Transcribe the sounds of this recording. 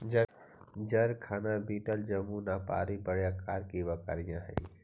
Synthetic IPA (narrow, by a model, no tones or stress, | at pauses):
d͡ʒ | d͡ʒəɾkʰaːnabiːʈəld͡ʒɐmunaːpa̰ːɾibəɽjakaːɾkibɐka̰ːɾijãɦɛ̰